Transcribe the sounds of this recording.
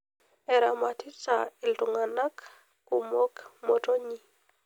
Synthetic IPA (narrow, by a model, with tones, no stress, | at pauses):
ɛ˨ɾa˨ma˨tʰi˦t͡sa˨ɪ˨ltu˨ŋa˨na˦k | ku˨mo˦kmo˨to˦ɲi˦